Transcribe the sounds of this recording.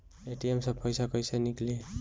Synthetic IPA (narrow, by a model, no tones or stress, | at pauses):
eʈiemsʌpʰʌjsʌkʌjsʌnikle